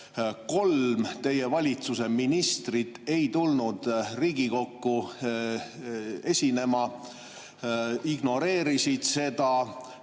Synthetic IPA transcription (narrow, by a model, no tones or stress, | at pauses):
ko̞lmt̪e̞je̞vɑlʲit̪suse̞minist̪rit̪ːˑe̞jt̪ulnud̪̥riːɡiko̞kːu | e̞sʲine̞mɑ | iɡno̞ɾe̞ːɾisid̪̥se̞d̪ɑ